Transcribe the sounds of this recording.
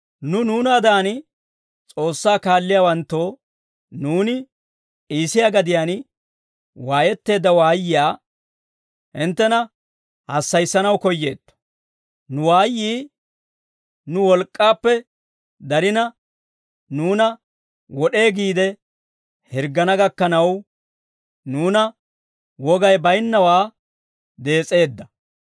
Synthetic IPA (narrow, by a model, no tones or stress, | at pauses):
nʊnuːnɐɐd̪aːn | t͡sʼo̞ːsːaːkaːlːɪjaːwɐnt̪ːoː | nuːnɪ | iːsɪjaɡɐd̪ɪjaːn | waːjɛt̪ːe̞ːd̪ːɐwaːjːɪjaː | ʔɪnt̪ːɛnɐ | hɐsːɐjsːɐnɐwkɔjːe̞̰ːt̪ːɔ̥ | nʊwaːjːiː | nʊwɔlkʼːaːpːɛ | d̪ɐɾɪnɐ | nuːnɐ | wɔɗe̞ːɡiːd̪ɛ | hɛɾɡːɐnɐɡɐkːɐnɐw | nuːnɐ | wɔɡɐjbɐjnːɐwaː | d̪e̞ːt͡sʼe̞ːd̪ːɐ